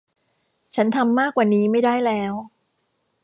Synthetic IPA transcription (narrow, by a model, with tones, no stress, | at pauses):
t͡ɕʰa˦˥nt̪ʰa˧mːaː˥˩kːwaː˨˩niː˦˥ma˥˩jda˥˩jlɛː˦˥w